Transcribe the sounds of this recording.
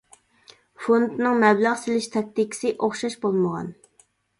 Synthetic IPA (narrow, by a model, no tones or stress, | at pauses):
fond̪nɨŋmɛblæʁselɪʃt̪ʰɑk̚ʲt̪ikʲʰɪ̥sɪʔoχʃɑʃbolˠməʁɑ̰n